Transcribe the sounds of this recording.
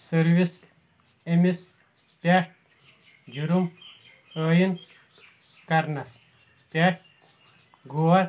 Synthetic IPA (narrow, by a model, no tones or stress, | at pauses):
sɐɾʋis | emis | pʲaːʈ̚ | d͡ʒuɾum | əːjin | kɐɾnɐs | pʲaʈ̚ | ɡʱuwɐɾ